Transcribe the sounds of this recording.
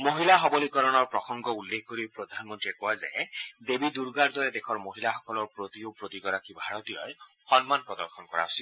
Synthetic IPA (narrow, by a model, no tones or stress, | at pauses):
moɦilaɦɔbɔlikɔɾɔnɔɹpɾɔxɔŋɡɔulːekʰkoɾipɾɔd̪ʱanɔmɔnt̪ɾiekɔwaza̰jd̪ebid̪uɾɡaɾd̪ɔɾed̪ekʰɔɹmoɦilaxɔkɔlɔɾpɾot̪iopɾot̪ikɔɾakibʱaɹɔt̪ijɔj | xɔnmanpɾɔd̪ɔɾxʰɔnɔkɔɾa̰ɦosi